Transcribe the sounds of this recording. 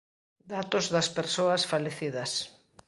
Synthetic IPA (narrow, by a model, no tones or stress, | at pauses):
d̪at̪ozðɐspeɾsoɐsfaleθið̞ɐs